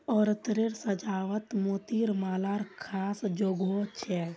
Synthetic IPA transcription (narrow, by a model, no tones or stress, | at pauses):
ɔːɾət̪ɾeɾsəd͡ʒaːʋət̪moːt̪iɾmaːlaːɾkʰaːsd͡ʒoːɡot͡ʃʰɛ